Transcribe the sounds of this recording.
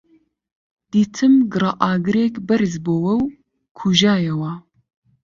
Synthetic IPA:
d̪̥iːt̪ʰɨmɡɨɾɑʔaːɡɨɾeːkbɐɾzboːwɐw | kʰuʒaːjɛwaː

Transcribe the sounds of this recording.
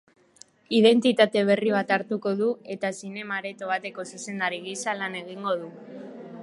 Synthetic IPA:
iðe̞nt̪it̪at̪e̞β̞e̞riβ̞at̪aɾt̪uko̞ðue̞t̪asine̞maɾe̞t̪o̞β̞at̪e̞ko̞suse̞nd̪aɾiɣisalane̞ɣ̞iŋɡo̞ð̞u

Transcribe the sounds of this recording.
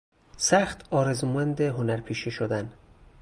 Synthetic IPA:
sæxt̪ʰɒːɾezmoænd̪eɦonæɾpʰiːʃeʃod̪æn

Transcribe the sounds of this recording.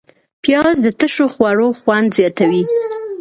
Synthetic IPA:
pjɑzd̪ət̪əʃoxwaɽoxwand̪zjɑt̪awi

